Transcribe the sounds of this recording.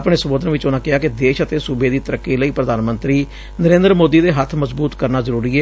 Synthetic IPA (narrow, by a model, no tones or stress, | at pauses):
pɽeːsəboːd̪ənʋɪt͡ʃʊnãːkɪaːkɪd̪eːʃət̪eːsubeːd̪iːt̪əɾəkːiːləiːpɾəd̪aːnmənt̪ɾiː | nəɾẽːnd̪əɾmoːd̪iːd̪eːɦət̪ʰːməzbuːt̪kəɾnaːzəɾuːɾiːɛː